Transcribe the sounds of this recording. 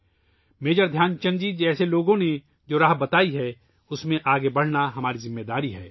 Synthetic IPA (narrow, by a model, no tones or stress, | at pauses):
meːd͡ʒəɾd̪ʱjaːnt͡ʃɐ̃nd͡ʒid͡ʒɛːseloːɡõne | d͡ʒoːɾaːɦbɐt̪aːiɦɛː | ʊsmẽʔaːɡebɐɽ̤naɦɐmaːɾizɪmːeːd̪aːɾiɦɛː